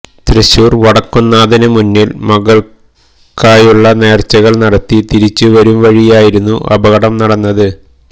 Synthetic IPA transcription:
t̪ɾiɕuːrʋɐɽɐkːunːaːðɐnɐmunːilmɐɣɐɭ | kaːjuɭːɐne̞ːrt͡ɕːɐɣɐɭnɐɽɐt̪ːit̪iɾit͡ɕːɨʋɐɾumʋɐɻijaːjiɾunːuʔɐ̰bɐɣɐɽɐmnɐɽɐnːɐðɨ

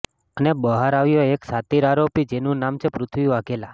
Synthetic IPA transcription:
ənebəɦaɾaʋjoeksat̪iɾaɾopid͡ʒenũnamt͡ʃʰepɾʊt̪ʰʋiaɡela

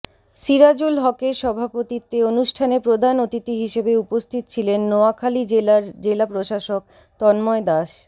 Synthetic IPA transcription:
ʃiɾad͡ʑulɦɔkeɾʃɔbʱapot̪it̪ːeonuʃʈʰanepɾod̪ʱanot̪it̪iɦiʃebeupost̪ʰit̪o̥t͡ɕʰilenːoakʰalid͡ʑaɾd͡ʑelapɾoʃaʃok̚ | t̪ɔnmɔed̪aʃ

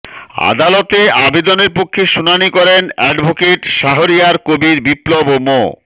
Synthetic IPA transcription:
a̰d̪alot̪eʔabed̪oneɾpokʰːeʃunanikɔɾenɛɖbʱokeʈʃaɦoɾijaɾkobiɾbiplobomo̰

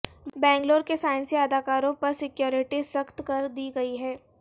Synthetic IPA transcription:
bɛ̃ːŋɡloːɾkesaːɪ̃nsiɐd̪aːkaːɾõpɐɾsɪkjoːɾɪʈisɐxt̪kɐɾd̪iːɡɐiɦɛː

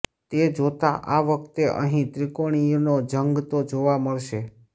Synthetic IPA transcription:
t̪ed͡ʒot̪a̰ʔaʋəkt̪eʔə̰ɦĩt̪ɾikoɽ̃ijnod͡ʒəŋɡt̪od͡ʒoʋaməɭʃe

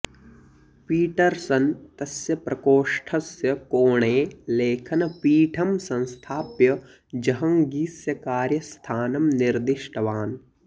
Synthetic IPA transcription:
piːʈɐɾsɐnt̪ɐsjɐpɾʔɐkoːʂʈʰɐsjɐkoːɳeːleːkʰɐnɐpiːʈʰɐmsɐ̃nst̪ʰaːpjɐ | d͡ʒɐɦɐ̃ŋɡiːsjɐkaːɾjɐst̪ʰaːnɐmniɾd̪ɪʃʈʰɐʋaːn

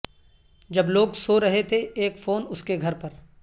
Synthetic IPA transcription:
d͡ʒɐbloːɡsoɾɐɦet̪ʰeeːkfoːnʊskeɡʱɐɾpɐɾ

